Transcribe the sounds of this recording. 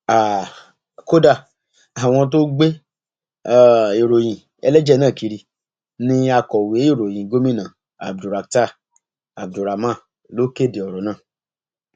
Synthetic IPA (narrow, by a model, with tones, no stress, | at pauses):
a˨ | ko˦da˦˨ | a˨w̃ɔ̃˧t̬o˦ɡ͡be˦ | a˦˨e˨ɾo˨j̃ĩ˨ | ɛ̰˧lɛ˦d͡ʒɛ˦˨nãː˦˨ki˧ɾi˧ | nĩ˧a˧kɔ˨we˨˦e˦˨ɾo˨j̃ĩ˨ɡo˦mĩ˦nã˨ | a̰˨b̚du˨ɾa˨k̚ta˦˨ | a˨b̚du˨ɾa˨mã˦˨ | lo˨˦ke˦˨de˨ɔ˨ɾɔ˨˦nãː˦˨